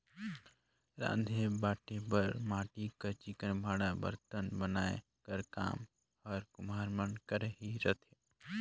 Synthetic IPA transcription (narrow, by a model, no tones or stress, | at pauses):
ɾã̰ːnd̪ʱebaːʈepəɾmaːʈikəɾt͡ʃikənbʱaːɽabə̰ɾt̪ənbənaːe | kəɾka̰ːm | ɔːɾkʊmaːɾmənkəɾɦiɾət̪ʰe